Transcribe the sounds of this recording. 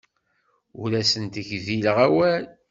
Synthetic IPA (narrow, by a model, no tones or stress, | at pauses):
ʊɾæsənt̪əçðiləʁæwæl